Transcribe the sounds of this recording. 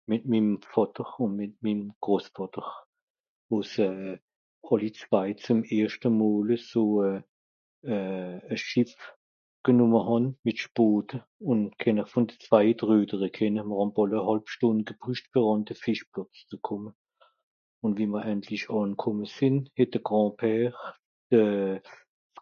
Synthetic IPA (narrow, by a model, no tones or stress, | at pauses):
mɪt̚mimfɑtəʁʊnmɪt̚mimɡ̥ʁoːsfɑtəʁ | voːsɛː | ɑlit͡sv̥aɪt͡sʊmeːɐʃtəmɔːləsoːɛː | ɛːəʃɪf | ɡ̥ənʊməhɑnmɪtʃpoːtə | ʊnkʰɛnəχfʊndət͡sv̥aɪətʁøːdəʁəkʰɛnəməʁhɑnbɑləhɑlpʃtʊndɡ̥əpʁyʃtb̥əʁɑntəfɪʃplɔt͡st͡səkʰʊmə | ʊntviːməʁɛntʰlɪʃɑːnkʰɔməsɪnhɛt̚d̥əɡ̥ʁɑ̃ːpʰɛːʁ | d̥ə